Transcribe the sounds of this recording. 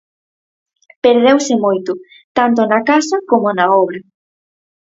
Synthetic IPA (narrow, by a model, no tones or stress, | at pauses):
peɾð̞ewsɪmojt̪ʊ | t̪ant̪ʊnɐkasɐkomonɐɔβɾɐ